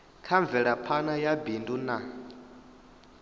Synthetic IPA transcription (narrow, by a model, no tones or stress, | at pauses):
kʰaɱb̪vɛɺapʰanajabinduna